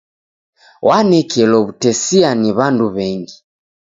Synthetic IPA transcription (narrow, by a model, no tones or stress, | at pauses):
wanɛkʰɛlɔβutɛsianiβanduβɛŋɡi